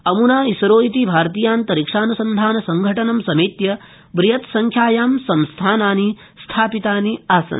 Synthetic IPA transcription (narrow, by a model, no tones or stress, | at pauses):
ɐmunaːisɐɾoːit̪ibʱaːɾt̪iːjaːnt̪ɐɾikʂaːnusɐnd̪ʱaːnɐsɐŋɡʱɐʈɐnɐmsɐmiːt̪jɐ | bɾijɐt̪sɐŋkʰjaːjaːmsɐmst̪ʰaːnaːni | st̪ʰaːpit̪aːniaːsɐ̰n